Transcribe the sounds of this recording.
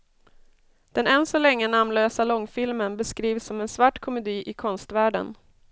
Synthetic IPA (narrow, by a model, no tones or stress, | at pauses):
d̪̥ɛnɛnsɔlɛŋːənamnløːsalɔŋːfɪlmənbəskɾiːvsɔmɛnsvaʈːkʰɔmɛd̪iːʔɪkʰɔnst̪væːɖə̰n